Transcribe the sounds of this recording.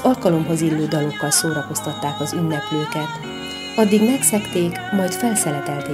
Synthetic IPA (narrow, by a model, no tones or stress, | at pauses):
ɒlkɒlo̞mɦozilːøːd̪ɒlo̞kːɒlsoːɾɒko̞st̪ɒt̪ːaːkɒzynːɛpløːkɛt̪ | ɒd̪ːiɡmɛksɛkt̪eːkmɒjt̪fɛlsɛlɛt̪ɛlt̪e